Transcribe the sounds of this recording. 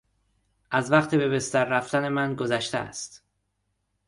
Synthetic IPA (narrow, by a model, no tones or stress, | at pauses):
ʔæzvæqt̪ʰebe̞be̞st̪æɾːæft̪æne̞mænɡo̞zæʃt̪ḛæ̰st̪